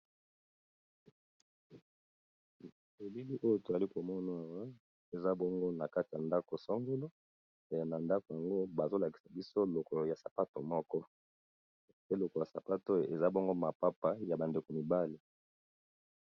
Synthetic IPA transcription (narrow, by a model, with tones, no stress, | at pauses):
e˨bi˦li˦ʔo˦jo˨to˨za˨li˦ko˨mɔ˦na˨wa˦ | e˨za˦bɔ˦ŋɡo˦na˨ka˦ti˨ja˨nda˦ko˨sɔ˦ŋɡe˦lo˦˨ | na˨nda˦ko˨ja˨ŋɡo˦ba˨zo˦la˨ki̥˨sa˨bi˦so˦lo˨kɔ˨lo˨ja˨sa˨pa˦to˨mɔ˦kɔ˦˨ | pe˦lo˨kɔ˨ja˨sa˨pa˦to˦˨e˨za˦bo˦ŋɡo˦ma˨pa˦pa˦ja˨ba˨nde˨ko˨mi˨ba˦li˨